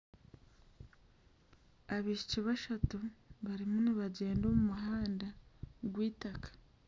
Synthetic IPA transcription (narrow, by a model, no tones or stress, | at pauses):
aβiʃi̥ciβaʃatuβaɾimuniβaɟe̞ːndo̞ːmumuɦaːndaɡwiːtakḁ